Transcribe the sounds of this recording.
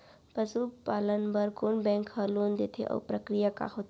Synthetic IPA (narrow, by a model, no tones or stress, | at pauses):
pəsupaːlənbəɾkoːnbɛ̃ːŋkhəɾloːnd̪et̪ʰeʔɔ̰ːpɾəkɾijaka̰ɦot̪